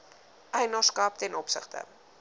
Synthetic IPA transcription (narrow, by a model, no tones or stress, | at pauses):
ʔɛjnɑskɐp̚tɛnɔpsə̰χtə̰